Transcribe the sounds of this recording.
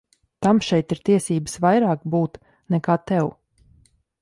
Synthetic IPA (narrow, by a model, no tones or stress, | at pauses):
t̪amʃɛjt̪iɾt̪iɛsiːbəsvajɾaːkbuːt̪ | nɛkaːt̪ɛw